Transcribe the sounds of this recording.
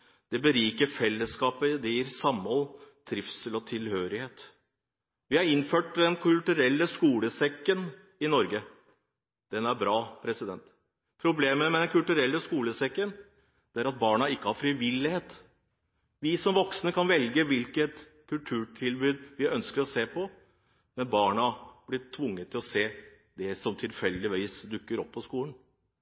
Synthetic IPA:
d̪̥ɛbəɾiːkəɾfɛlːəskɑːpəd̪ɛjiːɾsɑmɔlt̪ʰɾɪfsəlɔt̪ʰɪlhøːɾɪheːt̪ | ʋɪhɑɾɪnːføːʈd̪ɛnkʰʉlt̪ʉɾɛlːəskuːləsɛkːən | ɪnɔɾɡə | d̪̥ɛnæɾbɾɑːpʰɾɛsɪd̪ɛnt̪ | pʰɾʊbleːməmɛd̪ɛnkʰʉlt̪ʉɾɛlːəskuːləsɛkːən | d̪̥ɛæɾɑt̪̚bɑːɳɑɪkːəhɑɾfɾɪʋɪlːɪheːt̪ | ʋɪsɔmʋɔksnəkʰɑnʋɛlɡəʋɪlkət̪ | kʰʉlʈ̪ʰʉːʈʰɪlbʉːd̪ʋɪʔœnskəɾɔseːpʰɔ | mɛnbɑːɳɑb̥lɪʈʰʋʊŋːət̪ʰːɪlɔseː | d̪ɛsɔmt̪ʰɪlfɛlːd̪ɪʋiɪsd̪ʉkːəɾɔpʰːɔskuːlən

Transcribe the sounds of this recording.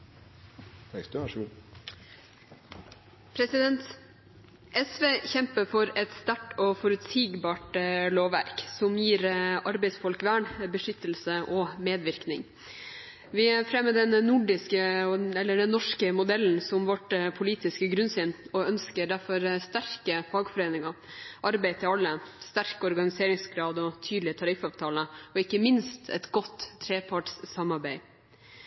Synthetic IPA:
t̪ɛst̪ʂu | pʰɾɛsɪd̪ɛnt̪ | ʔɛsʋeːçɛmpəfɔɾɛt̪st̪æʈɔfɔɾʉt̪siːɡbɑːʈəloːʋʋæ̰ɾksɔmjiːɾɑɾbɛɪsfɔlkʋæːɳbəʂʏt̪ːəl̩səʔɔmeːd̪ʋɪɾknɪŋ | ʋɪæɾfɾɛmːəd̪ɛnːʊɖɪskəɔɛlːəɖɛnːɔʂkəmʊd̪ɛln̩sɔmʋɔʈpʰʊliːt̪ɪskəɡɾʉnsɪnɔœnskəɖæɾfɔɾst̪æɾkəfɑːɡfɔɾeːnɪŋɑ | ʔɑɾbæɪt̪ʰɪlɑlːəst̪æɾkɔɾɡɑnɪseːɾɪŋsɡɾɑːd̪ɔt̪ʰyːd̪l̩ɪt̪ʰɑɾɪfɑːʋt̪ʰɑːləɔɪkːəmɪnst̪ʰɛ̰t̪ɡɔt̪ʰːɾeːpʰɑʈssɑmɑɾbæɪ

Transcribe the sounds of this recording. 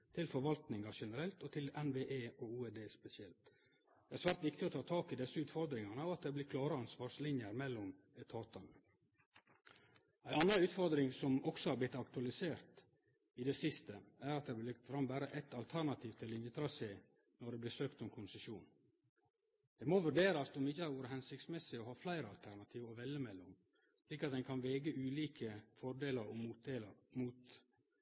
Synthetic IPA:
t̪ʰɪlfɔɾʋɑlt̪nɪŋɑʂɛnəɾɛlt̪ɔt̪ʰɪlɛnʋeːʔeːouːɛd̪eːspɛsɪɛlt̪ | dd̪̥ɛæɾsʋæːɾt̪ʋɪkt̪ɪɔt̪ʰɑːt̪ʰɑːkɪd̪ɛsːəʉːt̪fɔɾd̪ɾɪŋɑnəɔɑt̪̚d̪ɛːb̪ɪkʰlɑːɾəɑnsʋɑːɾslɪnjəɾmɛlːɔm | ɛt̪ʰɑːt̪ɑnə | æɪɑnɑʉːt̪fɔɾd̪ɾɪŋsɔmɔksɔhɑɾblɪt̪ːɑkt̪ʉɑlɪseːɾt̪ | ɪd̪ɛsɪst̪əæɾɑt̪̚d̪ɛbɪlɪkt̪fɾɑmbæːɾəʔɛt̪ʰɑlt̪ʰæɾnɑt̪ʰiːʋt̪ʰɪlɪnjət̪ʰɾɑseː | nɔɖɛblɪsøːkt̪ɔmkʰʊnsəʃuːn | d̪̥ɛmoʋʉɖeːɾɑsɔmɪçəhɑɾʋuːəɾəhɛnsɪkt̪smɛsɪɔhɑːflæɪɾəɑlt̪ʰæɾnɑt̪ʰiːʋɔʋɛlːəmɛlːʊm | sliːkɑt̪̚d̪ɛɪnkʰɑnʋeːɡəʔʉːliːkʰəfɔɾɖeːləɾɔeləmuːt̪

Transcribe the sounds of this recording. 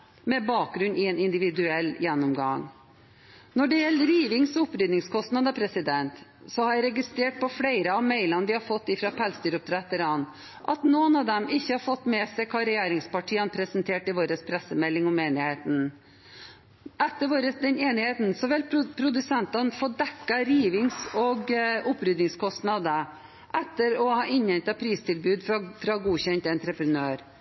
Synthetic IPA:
mɛbɑːk̚ɡɾʉnːɪeːnɪnd̪ɪʋɪd̪ʉɛlːjɛnːɔmɡɑŋ | nɔɖɛjɛlːəɾiːʋɪŋsʊpɾʏd̪nɪŋskʰɔst̪nɑd̪ɑpʰɾɛsɪd̪ɛnt̪ | sɔhɑɾjæɪɾɛɡɪst̪ɾeːʈ̚pɔfɽeɪɾəɑʋmeɪlɑnʋɪhɑɾfɔt̪ːɪfɾɑpʰɛlst̪yːɾʊp̚t̪ʰɾɛt̪ːɾɑnt̪ | ʔɑt̪noːənɑʋd̪ɛmɪçːəhɑɾfɔt̪ːmɛsɛɪkʰɑːɾɛjeːɾɪŋspɑʈʰiːɑnpʰɾɛsənt̪ʰeːʈɪʋoːɾəspʰɾɛsːəmɛlːɪŋɔmeːnɪheːt̪n̩ | ʔɛt̪ːəɾʋoːɾəsd̪ɛneːnɪheːt̪n̩sɔʋɪlpʰɾʊd̪ʉsɛnt̪ɑnfoːd̪ɛkːɑɾiːʋɪŋsɔɡʊpːɾʏd̪nɪŋskʰɔst̪nɑd̪ə | ʔɛt̪ːəɾɔhɑːʔɪɲɛnt̪ɑpʰɾiːst̪ʰɪlbʉːd̪ffɾɑɡuːçɛnt̪ɛnt̪ɾɛpɾənøːɾ

